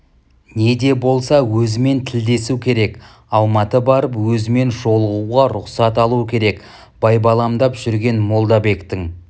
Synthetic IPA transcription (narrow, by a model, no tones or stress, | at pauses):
ne̞d̪e̞bo̞lˠsɑwɵzɪme̞nt̪ʰɪld̪e̞sukʲʰe̞ɾe̞k | ɑlˠmɑt̪əbɑɾəpwɵzɪme̞nʒo̞lˠəʁuʁɑɾʊqsɑt̪ɑlˠuəkʲʰe̞ɾe̞k | b̥ɑjbɑlˠɑmd̪ɑpʒ̥ʏɾɡʲe̞nmo̞lˠd̪ɑbe̞kt̪ɪŋ